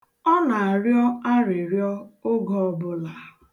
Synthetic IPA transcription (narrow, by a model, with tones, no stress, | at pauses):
ɔ˦na˨a˨ɾjɔ˦a˦ɾɪ˨ɾjɔ˦o˦ɡɔ˦ɔ˦bʊ˦la˨